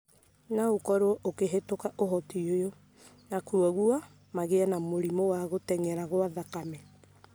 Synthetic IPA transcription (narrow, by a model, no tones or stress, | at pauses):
naokɔɾoɔʔokeɦetokaʔoɦɔtiojo | nakuaɣua | maɣeanamoɾimowaɣotɛŋɛɾaɣoaðakamɛ